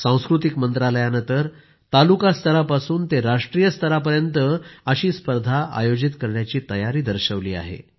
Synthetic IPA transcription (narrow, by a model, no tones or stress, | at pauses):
sãw̃skɾut̪ikmənt̪ɾaləjanənt̪əɾ | t̪alukast̪ʰəɾapasuːnt̪eɾaʂʈɾijəst̪ʰəɾapəɾjənt̪əəɕiːspəɾd̪ʱaʔa̰jod͡ʑit̪kəɾɳjat͡ɕiːt̪əjaɾiːd̪əɾɕəʋliːa̰ɦḛ